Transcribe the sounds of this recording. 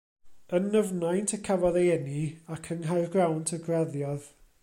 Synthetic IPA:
ənəvnajntʰəkʰavɔðejɛniakʰənɦajrɡrawntʰəɡraðjɔð

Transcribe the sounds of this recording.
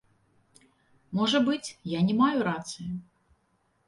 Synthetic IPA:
mɔʐɐbɨt͡sʲjanʲɛmajuɾat̪sɨji

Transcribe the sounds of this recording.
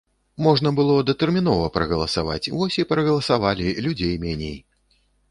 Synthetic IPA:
mɔʐnɐbɨlˠɔd̪ɐt̪ɛrmʲin̪ɔvɐpɾɐɣɐlˠɐsava̰t͡sʲvɔsʲipɾɐɣɐlˠɐsavalʲilʲud͡zʲejmʲɛnʲej

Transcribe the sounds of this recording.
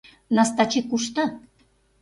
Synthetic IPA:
nɑst̪ɑt͡ɕikːuʃt̪ɑ

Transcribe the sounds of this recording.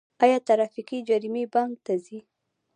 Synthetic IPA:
ɑjɑt̪aɾafikid͡ʒaɾimebaŋɡt̪azi

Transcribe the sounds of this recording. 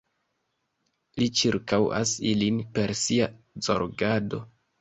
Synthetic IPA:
lit͡ʃiɾkawa̰silinpe̞ɾsia | zo̞̰ɾɡado̞̰

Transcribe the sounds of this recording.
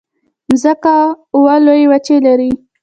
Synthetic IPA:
zəka | walojewat͡ʃelaɾi

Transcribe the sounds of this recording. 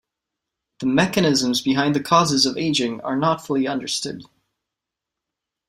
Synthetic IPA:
ðəmɛkɨnɪzə̃mzbɨɦãɪ̃nðɨkʰɔzɨzʌveɪd͡ʒɪ̃ŋə̰˞nətfʊlˠiʌ̃ndə˞stʊ̰d̥̚

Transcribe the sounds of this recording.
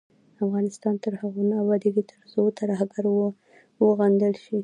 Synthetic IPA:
afɣɑnɪst̪ɑnt̪əɾhaɣunawɑd̪iɡit̪ʰəɾzot̪ʰaɾahaɡaɾw | wəɣand̪əlʃi

